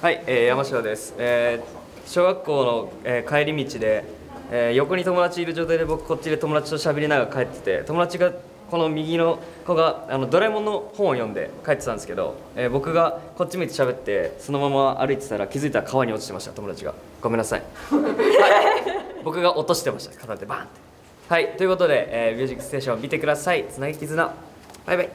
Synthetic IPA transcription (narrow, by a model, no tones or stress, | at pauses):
haieːjamaɕiod̪e̞sɨ̥eː | ɕo̞ːɡakːo̞ːno̞eːkaeɾʲimʲit͡ɕid̪e̞ | jo̞ko̞ɲ̟it̪o̞mo̞d̪at͡ɕiiːɾɯ̟ʑo̞ːt̪aijd̪e̞bo̞kɯ̥ko̞t͡ɕːid̪e̞t̪o̞mo̞d̪at͡ɕi̥t̪o̞ɕabe̞ɾʲinaɡakae̞t̪ːe̥t̪e̞̰t̪o̞mo̞d̪at͡ɕiɡa | ko̞no̞mʲiɡʲino̞ | ko̞ɡaano̞d̪o̞ɾaimo̞nːo̞hõɰ̃o̞jõ̞nd̪e̞̰kaet̪ːet̪and̪eske̞d̪o̰ | eːbo̞kɯ̟ɡako̞t͡ɕːimiit̪eɕabe̞t̪ːe̞so̞no̞mamaʔa̰ɾɯit̪e̥naɾakʲizɨit̪aɾakʰaβaɲ̟io̞t̪oi̥t̪emaɕi̥t̪at̪o̞mo̞d̪at͡ɕiɡa̰ | ɡ̥ome̞nːasa̰ḭ | bajbo̞kɯ̟ɡaʔo̞t̪o̞ɕi̥t̪e̞maɕt̪ḁkat̪at̪ːebant̪e̥ | hait̪o̞jɯ̟kot̪o̞d̪e̞ʔːmʲɨːʑikːɯ̥st̪eɕõmʲit̪e̞kɯ̟d̪asait͡sɨnaɡekʲizɨna | b̥ajbai